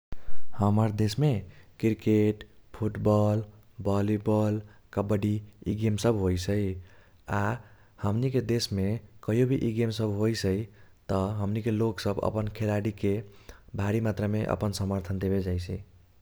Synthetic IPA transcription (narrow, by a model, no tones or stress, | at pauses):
həməɾd̪esmekiɾkeʈpʰuʈbɔl | bɔlibɔlkəbəɖiiɡemsəbɦojsʰəj | a | həmniked̪esmekəɦijobʱiʔiɡemsəbʱɦojsəit̪əɦəmnikeloksəbə̰pənkʰelaɽikebʱaɾimat̪ɾəmeʔə̰pənsəməɾt̪ʰənd̪ebed͡ʒajt͡ʃʰi